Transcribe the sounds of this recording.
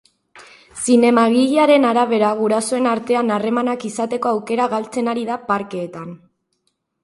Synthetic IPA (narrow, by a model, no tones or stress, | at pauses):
sine̞maɣiʎiaɾe̞naɾaβ̞e̞ɾaɣ̞uɾasoe̞naɾt̪e̞anare̞manakisat̪e̞ko̞awke̞ɾaɣalt͡se̞naɾiðapaɾke̞ːt̪an